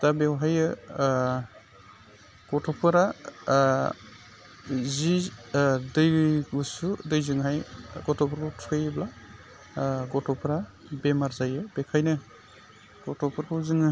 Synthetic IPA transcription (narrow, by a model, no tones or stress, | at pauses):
d̥abewɦajɯ | ɡ̥ɔtʰɔpʰɯɾa | zi | dɯjɡusudɯjzɯŋɦajɡɔtʰɔpʰɔɾkɔtʰɯjɯbla | ɡɔtʰɔpʰɯɾa | bemaɾzajɯbekʰajnɯ | ɡ̥ɔtʰɔpʰɯɾkʰɔzɯŋɯ